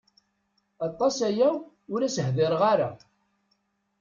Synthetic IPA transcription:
ɑt̪ˤːɑsæjæ | ʊɾæsəhðɪɾʁaɾa

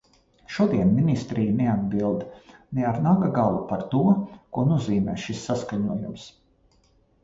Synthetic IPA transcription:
ʃuɔd̪iɛnminʲist̪ɾiːjnead̪̚bilˠd̪nɛaɾnaɡaɡalˠupaɾt̪uɔkuɔnuɔziːmɛ̰ːʃisːaskaɲuɔjums

